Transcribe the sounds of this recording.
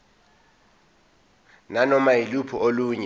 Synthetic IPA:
nanɔmailupʰɔʔoluːɲɛ

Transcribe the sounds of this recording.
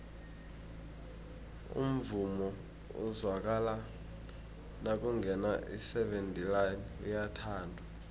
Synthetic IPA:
ṵm̩vumɔ | ṵzwak̬ala | nak̬ʼuŋɡʱɛnaʔḭsɛvɛntʼilan | ujatʰaːndʱwa

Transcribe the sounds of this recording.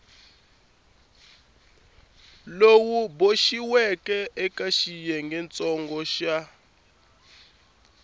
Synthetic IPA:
lowuboʃiwɛkʼɛʔɛkaʃijɛŋɡɛnt͡sʼɔŋɡɔʃa

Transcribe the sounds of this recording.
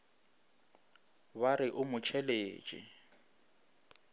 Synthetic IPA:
baɾɪʔʊmʊt͡ʃʰɛleːt͡ʃʼɪ̰

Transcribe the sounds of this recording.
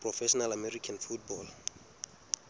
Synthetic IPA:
prɔfɛʃɔnalamɛɾikʰanfut̚bɔl

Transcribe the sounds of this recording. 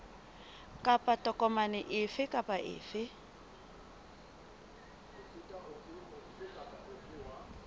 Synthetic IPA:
kʼapʼatʼɔkʼɔmanɪʔɪfɪkʼapʼaʔɪ̰ːfɪ | ʊsitʼaʔʊtʼiʊkʼaaɪwa

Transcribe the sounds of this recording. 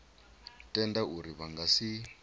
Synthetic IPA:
tʼɛndauɾiβaŋɡasi

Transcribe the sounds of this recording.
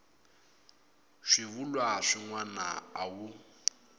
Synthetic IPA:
ʂiβulwaʂiŋwana̰awu

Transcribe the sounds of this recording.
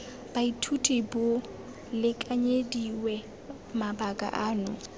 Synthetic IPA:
b̥aitʰutʼibʊ | lɪkʼaɲediwɛ | mabakʼa̰ʔaːnʊ

